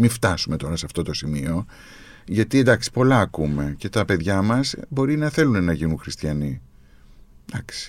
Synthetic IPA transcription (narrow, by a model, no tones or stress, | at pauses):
mift̪ɐsume̞t̪o̞ɾɐseɐft̪o̞t̪o̞simio̞ | ʝɐt̪iend̪ɐksi̥po̞lɐːkume̞ce̞t̪ɐpe̞ðʝɐmɐsbo̞ɾinɐθe̞lunenɐʝinuŋxɾist̪çɐni | d̪ɐksi̥